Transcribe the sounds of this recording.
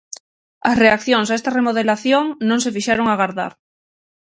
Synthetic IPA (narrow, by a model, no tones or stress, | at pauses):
asreakθjõŋsaest̪aremoð̞elaθjoŋnõŋsefiʃeɾoŋaɣaɾða̰ɾ